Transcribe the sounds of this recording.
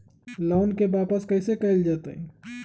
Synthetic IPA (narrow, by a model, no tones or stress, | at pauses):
loːnkebaːpəskəɪsekəɪld͡ʒaːt̪ə̰i